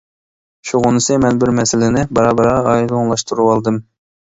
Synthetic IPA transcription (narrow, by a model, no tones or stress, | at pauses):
ʃuʁonɨsɨmɛnbɪɾmɛsɪlɪnɪbɑɾɑbɑɾɑɑjd̪oŋlˠɑʃt̪ʰuɾuwɑlˠd̪ɨm